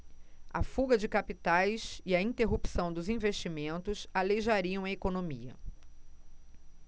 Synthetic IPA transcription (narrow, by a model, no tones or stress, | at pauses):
a̰fuɡɐd͡ʒɪkapit̪ajsɪɐĩnt̪eɦupsɐ̃w̃d̪ʊzĩveʃt͡ʃimẽnt̪ʊsaleʒaɾiɐ̃w̃ɐekonõmiɐ̰